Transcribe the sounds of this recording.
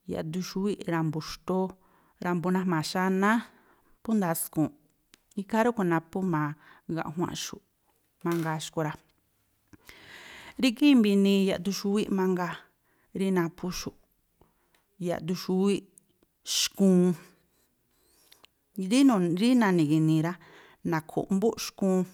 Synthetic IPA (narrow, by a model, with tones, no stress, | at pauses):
ja̰˨ʔd̪u˧ʃu˧˦wi˦ʔɾa˧mbu˨ʃt̪o˦ | ɾa˧mbu˧nã˧mã˨ʃa˧nã˦ | pu˦nd̪a˧skũ˨ | i˧ka˦ɾu˦ku˧˨nã˧pu˦mã˨˧ | ɣã̰˧˨ʔɦw̃ã̰˧ʔʃu˨ʔ | mã˧ŋɡa˧ʃko˧ɾa˧ | ɾi˦ki˦mbi˧nĩ˧ja̰˨ʔt̪u˧ʃu˧wi˦ʔmã˧ŋɡa˧ | ɾi˦nã˧pʰu˧ʃu˨ʔ | ja̰˨t̪u˧ʃu˧wi˦ʔ | ʃkũː˧˦˧ | ɾi˦nũ˨˧˨ɾi˦nã˧nĩ˨ki˧nĩ˧ɾa˦ | nã˨kʰṵ˨ʔmbu˦ʔʃkũː˧˦˧